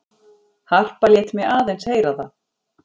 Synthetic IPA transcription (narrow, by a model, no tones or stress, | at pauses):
har̥paljɛht̪mjɛɣaːðejnsheːjɾaθa